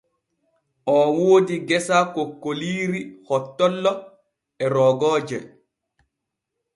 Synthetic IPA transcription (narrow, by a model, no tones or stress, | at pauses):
ʔɔwoːdiɡɛsakokːoliːɾihɔtːɔlːɔ | ɛɾɔːɡɔːd͡ʒɛ